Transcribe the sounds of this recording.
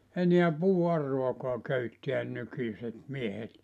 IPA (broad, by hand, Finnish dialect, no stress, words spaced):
eniæ puːɑrːoɑkoɑ køytːiæn nykysʲet miehet